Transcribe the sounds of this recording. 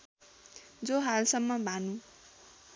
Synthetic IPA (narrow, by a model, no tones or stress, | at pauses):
d͡zoɦalsʌmːʌbʱanu